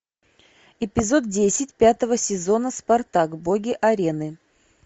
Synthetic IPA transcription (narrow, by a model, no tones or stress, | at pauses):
ɪpʲɪzo̞d̪̚dʲesʲɪtʲpʲat̪əvəsʲɪzo̞nəspɐrt̪aɡboɡʲɪʔɐɾʲe̞nɨ